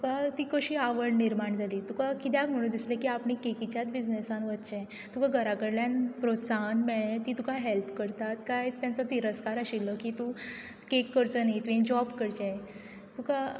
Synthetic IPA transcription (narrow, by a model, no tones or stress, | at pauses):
t̪ukat̪iːkəɕiːaʋəɽniɾmaɳd͡zʱaliːt̪ukakit̪jakm̤əɽ̃ũːd̪islekiːapɳikekit͡ɕjat̪bid͡znesãnʋət̪t͡ɕej | t̪ukaɡʱəɾakəɽljãnpɾot̪saɦənmɛɭ̃ẽt̪iːt̪ukaɦelpkəɾt̪at̪kajt̪jant͡sɔt̪iɾəskaɾəɕilːəkiːt̪u | kekːəɾt͡sənaɦit̪ẽnd͡ʑɔbkəɾt͡ɕej | t̪uka